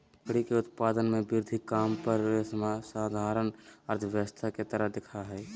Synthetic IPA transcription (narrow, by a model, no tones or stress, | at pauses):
kɽikeʊt̪̚paːd̪ənmẽbɪɾd̪ʱikaːmpəɾsmasaːd̪ʱaːɾənəɾt̪ʰəʋjəʋəst̪ʰaket̪əɾəɦd̪ɪkʰaɦɛː